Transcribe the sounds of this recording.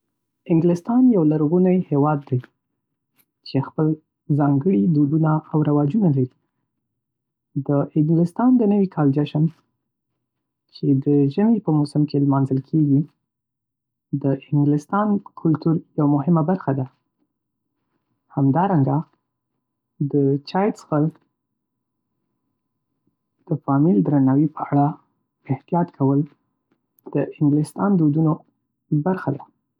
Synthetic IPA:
ɪŋɡlɪst̪ɑnjawlaɾɣunajhewɑd̪ːaj | t͡ʃexpəl | zɑŋɡəɽid̪ud̪unaawɾawɑd͡ʒunalaɾi | d̪əʔɪŋɡlɪst̪ɑnd̪ənəwikʰɑld͡ʒaʃən | t͡ʃed̪əʒəmipəmʊsɪmkʰelmɑnzəlkʰeɡi | d̪əʔɪŋɡlɪst̪ɑnkʰʊlt̪uɾjawamʊɦɪmabaɾxad̪a | hamd̪ɑɾaŋɡa | d̪ət͡ʃɑjtsxal | d̪̥əfɑmild̪ɾanawipəaɽa | ɪht̪ijɑt̪kʰawəl | d̪̥əʔɪŋɡlɪst̪ɑnd̪ud̪uno | baɾxad̪a

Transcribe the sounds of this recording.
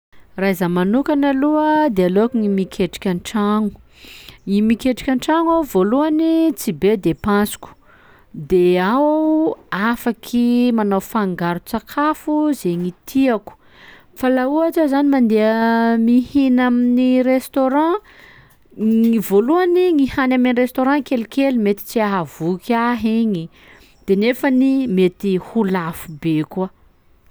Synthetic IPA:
raizamanukanaluəd̪ealoakuŋimikʲʰeʈ͡ʂi̥kʲaʈ͡ʂaŋ̥u | ŋimikʲeʈ͡ʂi̥kʲãɳʈ͡ʂaŋawvoluanit͡sibed̪epãsu̥ku̥ | d̪ea | afakʰimanawfaŋɡaɾut͡sakʰafuzeŋit̪ʰiaku̥ | falauaʈ͡ʂəzanimand̪eəmihinaminirest̪oɾɑ̃ | ivoluaniŋihanamanrest̪oɾɑ̃kelikelimet̪i̥t͡siaɦavukʲaɦeɲi | d̪̥enefənimet̪ihulafubeka

